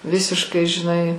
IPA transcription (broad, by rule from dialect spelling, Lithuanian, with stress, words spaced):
ˈʋʲɪsʲɪʃkɐɪ ʒʲɪˈnɐɪ